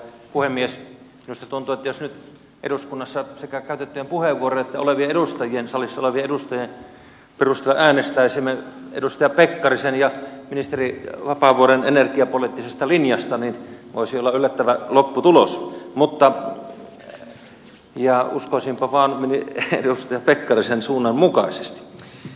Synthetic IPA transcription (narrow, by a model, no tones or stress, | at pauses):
puhemːies | inust̪ɑt̪unt̪uet̪ːæjosnyt̪ | ʔḛɾuskunːɑsːɑsekækæyt̪et̪ːiːmpuheʋːuoroet̪ːæo̰leʋieeɾust̪ɑjiensɑlisːɑoleʋieedust̪ɑjien | perust̪elːɑʔæːnest̪æisimːeḛust̪ɑjɑpekːɑrisenjɑminist̪eriʋɑpɑʋuoɾenenerkiɑpolit̪ːisest̪ɑlinjɑst̪ɑninʋo̰ˑisiolːɑylːæt̪ːæʋælopːut̪ulosmut̪ːɑ | jɑṵskoˑisimpɑʋɑːnminiḛdust̪ɑjɑpekːɑrisensuːnːɑmmukɑˑise̥st̪i̥